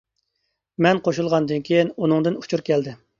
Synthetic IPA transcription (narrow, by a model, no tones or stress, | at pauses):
mɛnqʰoʃulˠʁɑnd̪ɨnkʲʰejinunɨŋd̪ɨnu̥t͡ʃʰuɾkʲʰɛld̪ɪ